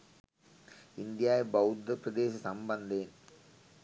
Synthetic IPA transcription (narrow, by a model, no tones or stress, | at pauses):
ɪnd̪ɪjaːjbɐʊd̪ɐpɾɐd̪eːsɐsɐmbɐnd̪eːn